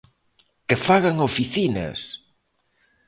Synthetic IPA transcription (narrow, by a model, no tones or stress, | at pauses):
kefaɣaŋofiθina̰s